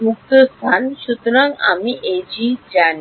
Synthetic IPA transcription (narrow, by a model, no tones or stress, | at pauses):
muk̚t̪əst̪ʰanɕut̪ɾãŋka̰miʔed͡ʑid͡ʑan